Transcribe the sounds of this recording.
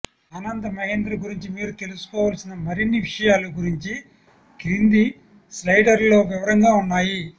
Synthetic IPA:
ɐnɐnd̪ɐmɐɦeːnd̪ɾɐɡuɾiɲt͡ʃimiːɾut̪e̞lusu̥kɔːʋaːlsinɐmɐɾinːiʋiʂɐjaːluɡuɾiɲt͡ʃi | kiɾind̪i | slɐjɖɐɾlo̞ːʋiʋɐɾɐŋɡaːunːaːji

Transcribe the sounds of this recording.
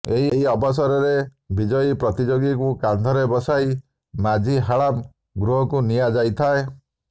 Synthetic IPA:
eɦieɦiɔbɔs̬aɾɔɾe | bid͡ʒɔjpɾɔt̪id͡ʒoɡikukand̪ʱɔɾebɔsaj | mad͡ʒʱiɦaɭam | ɡɾuɦɔkunijad͡ʒajt̪ʰae

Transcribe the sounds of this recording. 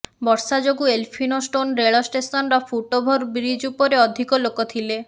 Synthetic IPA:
bɔɾsad͡ʒoɡuelpʰinosʈonɾeɭɔsʈesɔnɾɔfʰuʈobʱoɾbɾid͡ʒupɔɾeɔd̪ʱikɔlokot̪ʰile

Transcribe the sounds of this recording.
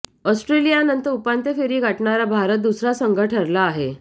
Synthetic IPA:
ɔsʈɾelijanənt̪əɾupant̪efeɾiːɡʱaʈɳaɾabʱaɾət̪̚d̪usɾasəŋɡʱəʈʰəɾlaːɦe

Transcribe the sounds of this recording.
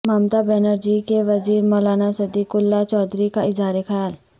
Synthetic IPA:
maːmt̪abɛːnəɾd͡ʒikeʋɐziːɾmɔːlaːnasɐd̪ikʊlːat͡ʃɔːd̪ɾikaɪzaːɾexɐjaːl

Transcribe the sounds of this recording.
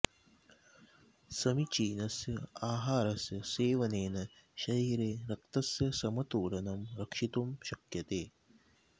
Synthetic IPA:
sɐmit͡ʃiːnɐsjɐaːɦaːɾɐsjɐseːʋɐneːnɐ | ʃɐɾiːɾeːɾɐk̚t̪ɐsjɐsɐmɐt̪uːɾɐnɐmɾɐkʂit̪umʃɐkjɐt̪eː

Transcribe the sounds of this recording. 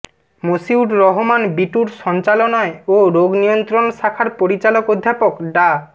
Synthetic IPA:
mosiuʈɾɔɦomanbiʈuɾʃɔnt͡ɕalonaeoɾoɡnijont̪ɾonʃakʰaɾpoɾit͡ɕalokod̪ʱːapokɖa

